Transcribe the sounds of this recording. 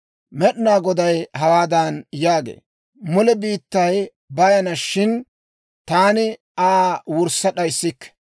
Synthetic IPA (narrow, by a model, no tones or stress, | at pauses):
mɛɗnaːɡɔd̪ɐjɦɐwaːd̪ɐnjaːɡḛː | mʊlɛbiːt̪ːɐj | bɐjɐnɐʃɪn | t̪aːnɪ | aːwʊɾsɐɗɐjsːɪkːɛ̥